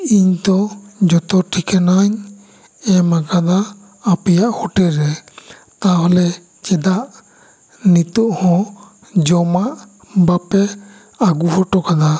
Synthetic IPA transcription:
iɲt̪ɔd͡ʒɔt̪ɔʈʰikʰɛnaɲ | ɛmaɡad̪aː | pɛjaʔhɔʈɛɾɛ | t̪aɦɔlɛ | t͡ʃɛd̪aʔ | nit̪ɔʔhɔ̃ | d͡ʒɔmaʔ | bapɛ | aɡuhɔʈɔkad̪a

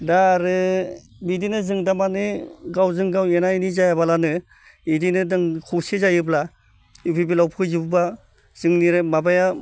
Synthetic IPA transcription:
daɾɯ | bidinɯzɯŋdamanɯɡawzɯŋɡawenainizajabalanɯ | idinɯdɯŋkʰusizajɯbla | upʰibilawpʰɯjzibɯba | z̥ɯŋniɾɯmabaja

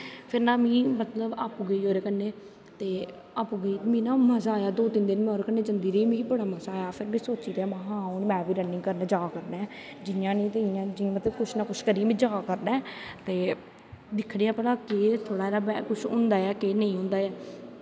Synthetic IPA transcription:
pʰɪɾnãːmĩːmət̪ləbapːɡəiːoːɾeːkənːeː | t̪eː | apːɡəiːt̪ːmĩːnãːməzaːjaːd̪oːt̪ɪnd̪ɪnmɛ̃oːɾekənːeːd͡ʒənd̪iːɾiːmĩːbəɽaːməzaːjaːpʰɪɾmẽːsoːt͡ʃiːt̪eːmaɦãːonːmɛ̃ːbiːɾənːɪ̃ŋɡkəɾnaːd͡ʒaːkəɾnɛ̃ː | d͡ʒɪjãːnĩːt̪ɪjãːd͡ʒimət̪ləbkʊʃʰnaːkʊʃkəɾiːmẽːd͡ʒaːkəɾnɛ̃ːt̪eː | d̪ɪkʰːɽeːaːpnãːkeːt̪ʰoːɽaːeɾaːbɛ̰kʊʃʰʊ̰̃ːnd̪aːɛːkeːnəĩːɦʊ̃ːnd̪aːɛː

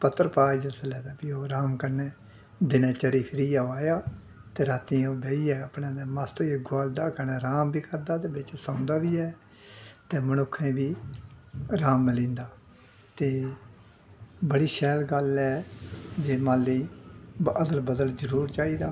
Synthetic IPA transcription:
pət̪ːəɾpaːd͡ʒəsəlɛːd̪aːpiːoːɾaːmkəɾneː | d̪ɪnẽːt͡ʃəɾiːpʰɪɾiːaːaːjaː | t̪eːɾaːt̪ːĩːoːbeiːɛːəpnẽːd̪aːmast̪ːeɡaːld̪aːkəɾnɛːɾaːmbiːkəɾd̪aːt̪eːbɪt͡ʃsãːnd̪aːbiːɛː | t̪eːmənʊkʰẽːbiː | ɾaːmːəlĩːnd̪aː | t̪eː | bəɽiːʃɛːlɡəlɛːd͡ʒeːmãːliː | əd̪əlbəd̪əlzəɾuːɾt͡ʃaːiːd̪aː

